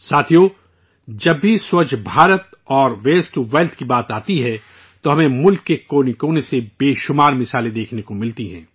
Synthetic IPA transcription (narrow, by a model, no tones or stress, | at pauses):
saːt̪ʰijo | d͡ʒɐbːiswɐt͡ʃʰbʱaːɾət̪ɔːɾʋeːsʈʋeːlt̪ʰkibaːt̪aːt̪iɦɛ | t̪oɦɐmẽmʊlkːekoːnikoːnesebeːʃʊmaːɾmɪsaːled̪eːkʰnekomɪlt̪iɦɛ̰̃ː